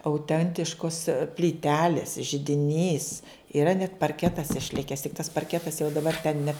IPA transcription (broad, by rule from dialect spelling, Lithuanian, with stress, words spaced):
ɐʊˈtʲɛnʲtʲɪʃkoːs pʲlʲiːˈtʲæːlʲeːs ʒʲɪdʲɪˈnʲiːs ɪˈrɐ nʲɛt pɐrʲˈkʲæːtɐs ɪʃʲˈlʲɪkʲɛs tʲɪk tɐs pɐrʲˈkʲæːtɐs jɛʊ dɐˈbɐr tʲɛn nʲɛ